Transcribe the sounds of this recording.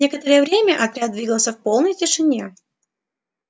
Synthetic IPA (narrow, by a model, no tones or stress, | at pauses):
e̞kət̪əɾəjəvɾʲemʲəʔɐt̪ɾʲad̪vʲiɡəlˠsʲəfpo̞lˠnəjtʲɪʂɨnʲe̞